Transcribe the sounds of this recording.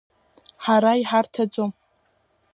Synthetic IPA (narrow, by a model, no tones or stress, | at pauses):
ħaɾaiħartʰad͡zom